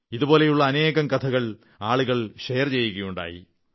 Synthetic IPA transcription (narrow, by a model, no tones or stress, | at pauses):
iðupo̞ːle̞juɭːɐːne̞ːɣɐmkɐt̪ʰɐɣɐɭ | aːɭuɣɐɭʂejɐrt͡ɕe̞jːuɣɐjuɳɖa̰ːjḭ